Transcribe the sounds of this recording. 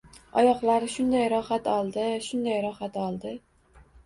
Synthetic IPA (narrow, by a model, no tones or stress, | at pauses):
ɒ̰jɒqlˠaɾɪʃʊnd̪ajɾɒχat̪ɒlˠd̪ɪʃʊnd̪ajɾɒχat̪ɒlˠd̪ɪ